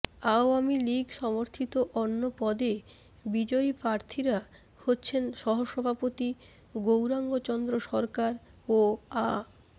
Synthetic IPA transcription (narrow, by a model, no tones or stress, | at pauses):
aoamiliɡʃɔmoɾt̪ʰit̪oʔɔnːopɔd̪e | bid͡ʑɔipɾaɾt̪ʰiɾa | hotːɕʰenʃɔɦoʃɔbʱapot̪i | ɡowɾaŋɡot͡ɕɔnd̪ɾoʃɔɾkaɾ | oa